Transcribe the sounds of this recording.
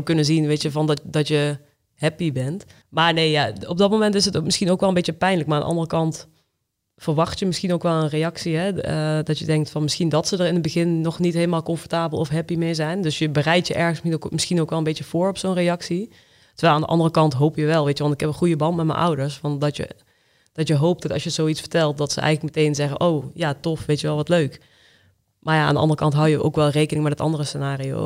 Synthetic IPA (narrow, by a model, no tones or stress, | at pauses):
wkɵnənzinʋejtjəvɑndɑtjə | hɛpibɛnt | maːɹnejjaːɔ̰p̚dɑt̚momɛntɪsətmɪsxinowkʋɛlˠəmbeːtjəpɛjnləkmaandə̰ʔɑ̰ndərəkɑnt | fəɹʋɑxtjəmɪsxinowkʋɛlˠənrejɑksiɦɛdɑtjədɛŋk̚tfɑnmɪsxindɑtsədərɪnəd̚bəɣɪnːɔχnitɦeːləmaːlˠkɔnfɔɹtaːbəlˠɔfɦɛpimezɛjndɵsjəbərɛjtjəʔɛɹɣənsmɪsxinowkʋɛlˠəmbetəv̥oːɹɔpsonrejɑksi | təɹʋɛlˠaːndəʔɑ̰ndərəkɑntɦowpjəʋɛlˠʋejtjəʋɑlntɪkɦɛpənχujəbɑntmɛtmɛ̰nʔʌ̰wdəɹsʋɑndɑtjə̰ | d̥ɑtjəɦowp̚dɔtɑ̰sjəzoːitsfə̥ɹtɛlˠt̚dɑtsə̰ʔɛ̰jənləkmətejnzɛɣənʔoːwjatɔfʋeːtjəʋɛlˠʋɑtløɥk | maɹjaa̰ːndəʔɑ̰ndərəkɑntɦɑwjəʔo̰wkʋɛlˠrejkənɪŋmɛdɑtɑ̰ndərəsenaːrio̰